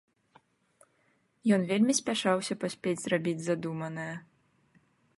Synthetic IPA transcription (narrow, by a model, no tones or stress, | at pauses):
jɔnvʲelʲmʲisʲpʲaʂawsʲɐpasʲpʲed͡zʲzrabʲid͡zʲzad̪umɐnɨjɐ